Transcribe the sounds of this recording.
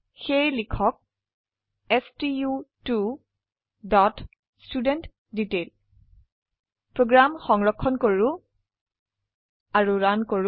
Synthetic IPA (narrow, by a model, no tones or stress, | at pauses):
xejlikʰɔk̚ | ɛstijutu | dɔt | studɛnt | ditel | pɹoɡɹamxɔŋɹɔkʰːɔnkoɹʊ̃ | aɹuɹankoɹ